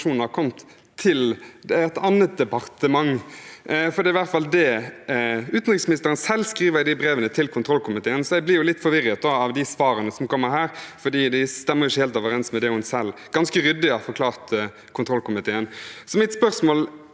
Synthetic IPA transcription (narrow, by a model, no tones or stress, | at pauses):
uːnnhɑkʰɔmt̪ʰː | ɪld̪ɛɛt̪ɑnːət̪̚d̪ɛpɑʁt̪əmɑŋ | fɔɾd̪ɛːɪʋæʁt̪fɑld̪ɛ | ʉːt̪nʁɪksmɪnɪst̪əɾənsɛlːskɾiːʋəɾd̪ɪbɾeːʋənət̪ʰɪlkʰʊnt̪ʰɾɔlkʰʊmɪt̪ʰeːənsɔɛɪblɪɾjʊlɪt̪ːfɔɾʋɪɾət̪̚d̪ɔɑʋd̪ɪsʋɑːɾənəsɔmkʰɔmːəɾɦæːɾfɔd̪iːd̪æɪst̪ɛmːəɾjʊɪçːəheːlt̪ɑʋəɾɛnsmɛd̪ɛhʊnsɛlː | ɡ̥ɑnskəɾʏd̪ːɪɑfɔɾkʰlɑːʁt̪ | kʰʊnt̪ʰʁɔlkʊmɪt̪ʰeːənsɔmɪt̪spœʁsmoːl